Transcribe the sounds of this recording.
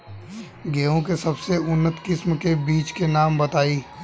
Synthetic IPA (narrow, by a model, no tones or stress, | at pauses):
ɡeːõkesɐbseʊnːət̪kɪsmkebiːt͡ʃkenaːmbɐt̪aːiː